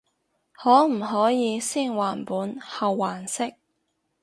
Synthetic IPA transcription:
hɔː˨˥m̩˨˩ɦɔː˨˥jiː˨˧siː˥˩ŋwaː˨˩npuː˨˥nhɐ˨wːaː˨˩nsɪ˥k̚

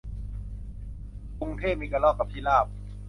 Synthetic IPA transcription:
ku˧ŋt̪ʰeː˥˩p̚miː˧ka˧lɔː˧˥˩kːa˧˩p̚t̪ʰiː˧˥˨laː˥˩p̚

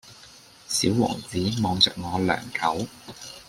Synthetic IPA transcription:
siː˨˥wwɔ̰ː˨˩ŋt͡siː˨˥mɔː˨˧ŋt͡sœː˨k̚ŋɔː˨˧lœ̰ː˨˩ŋkʰɐ˨˥w

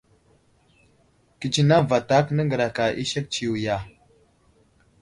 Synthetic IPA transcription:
ki˨t͡ʃi˨na˦va˨ta˦knə˦ŋɡə˨ɾa˨ka˨ʔi˦ʃa˦k̚t͡ʃi˨wja˨

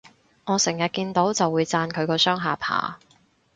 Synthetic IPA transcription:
ŋɔː˨˧sɪ˨˩ŋjɐ˨t̚kiː˧nt̪o˨˥wt͡sɐ˨wːuː˨˧jt͡saː˧nkʰɵ˨˧ɥkɔː˧sœː˥ŋɦaː˨˧pʰa̰ː˨˩

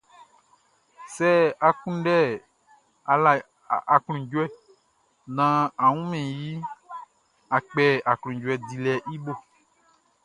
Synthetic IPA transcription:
sɛ˦a˨kũ˦ɖɛ˦˨ | a˨la˨ | a˨klũ˨d͡ʒo˦ɛ˨ | nã˦a˨ŋũ˦mẽ˨ji˦ | a˨k͡pɛ˦a˨kl̃ũ˨d͡ʒo˦ɛ˨d̪i˨lɛ˨ʔi˦bo˦

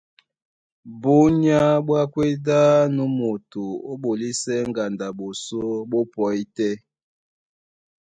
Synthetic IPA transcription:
bo˦ɲ˦a˦ɓwa˦kwe˦da˦nu˨˦mo˨tu˨o˦ɓo˨li˦sɛ˦ŋ˦ɡa˨nda˨ɓo˨so˦bo˦pɔ˨˦i˦tɛ˦

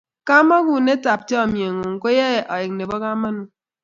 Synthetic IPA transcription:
ka˦ma˦ɡu˨ne˦ta˨p̚t͡ʃe˦ɔ˨mje˨ŋo˨ŋ̩˨ko˦jɛ˦˨ʔɔ˨ɪ˨k̚ne˨bɔ˦ka˦ma˦nu˨

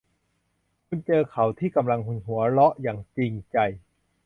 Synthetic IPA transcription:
kʰu˧nt͡ɕɤː˧kʰa˨˩wt̪ʰiː˥˩ka˧mla˧ŋhu˧nɦu˩˦ɐɾɔ˦˥ʔjaː˨˩ŋt͡ɕi˧ŋt͡ɕa˧˩j

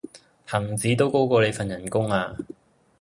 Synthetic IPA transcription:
hɐ˨˩ŋt͡siː˨˥t̪o˥wko˥wkɔː˧le˨˧jfɐ˨njɐ˨˩nkʊ˥ŋaː˧

